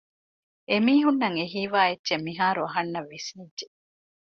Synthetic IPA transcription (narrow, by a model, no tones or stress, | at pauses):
ʔemiːɦunːɐŋeɦiːʋaːetːʃemːiɦaːɾuɐɦɐnːɐʋːisnidd͡ʒe